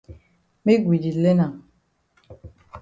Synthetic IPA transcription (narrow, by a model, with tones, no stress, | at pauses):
me˦ɡwi˨di˨le˦na˨